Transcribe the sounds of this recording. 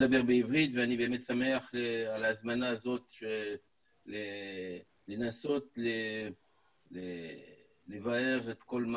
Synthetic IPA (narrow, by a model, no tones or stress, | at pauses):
dabe̞ʁbeivʁit̪veanibe̞ːme̞t̪same̞aχealaːzmanaːzo̞t̪ʃe | le | le̞naso̞tle | le | levae̞ʁet̪ko̞lm